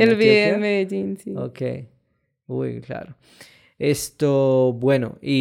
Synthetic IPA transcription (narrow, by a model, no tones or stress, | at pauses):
elviɛmed͡ʒinsiokḛj | wujkla̰ːɾo | est̪obweno̰i